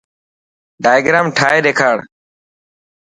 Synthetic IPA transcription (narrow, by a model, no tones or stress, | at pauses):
ɖaːjɡɾaːmʈʰaːeːɗeːkʰaːɽ